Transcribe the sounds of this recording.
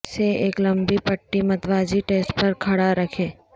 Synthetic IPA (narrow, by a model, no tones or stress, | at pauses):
seeːklɐ̃mbipɐʈːimɐt̪ʋaːd͡ʒiʈeːsʈpɐɾkʰɐɽaɾɐkʰeː